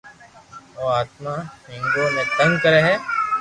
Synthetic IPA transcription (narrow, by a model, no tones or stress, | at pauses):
oːaːt̪̚mahɪ̃ŋɡõmẽt̪ɐ̃ŋɡkɐɾeɦɛː